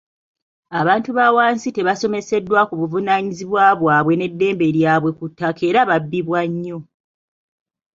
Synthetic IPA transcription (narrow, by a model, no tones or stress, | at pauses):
aβaːntuβawaːnsite̞βaso̞me̞se̞dːwakuβuvunaɲiziβwaːβwaːβwe̞ne̞dːe̞ːmbe̞ɾjaːβwe̞kutːake̞ːɾaβabːiβwaɲːo̞